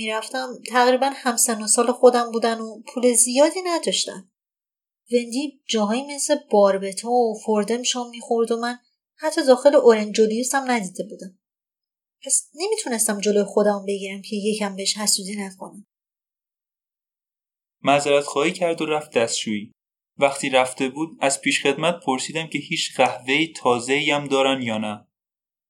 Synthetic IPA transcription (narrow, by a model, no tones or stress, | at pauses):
miɾæft̪æmt̪ʰæɣɾiːbænhæmsenosɒːlexo̞d̪æmbuːd̪ænopʰuːle̞zijɒːd̪inæd̪ɒʃt̪æ̰m | ve̞nd̪id͡ʒɒːɦɒːjime̞sle̞b̥ɒːɾbe̞t̪ʰɔofoɾd̪e̞miʃɔnmixo̞ɾd̪omæn | hæt̪ʰːɒd̪ɒːxe̞leʔoɾend͡ʒd͡ʒolijusæmnæd̪id̪e̞buːd̪æm | pʰæsne̞mit̪ʰune̞st̪æmd͡ʒo̞lojexo̞d̪æmumbe̞ɟiːɾæmcʰe̞je̞cʰæmbeeʃhæsuzinækʰo̞̰næm | mæzæɾæt̪xɒːhiːcʰæɾd̪oɾæft̪̚d̪æst̪t͡ʃuːiː | væχt̪ʰiːɾæft̪e̞buːd̪æz̥pʰiːʃχe̞d̪mæt̪̚pʰoɾsiːd̪æmcʰe̞hiːt͡ʃʰɢæhve̞iːt̪ʰɒːze̞iːæmd̪ɒːɾænd̪jɒːnæ